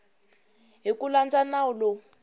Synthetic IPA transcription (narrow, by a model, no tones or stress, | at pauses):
ɦikuland͡zanaulɔ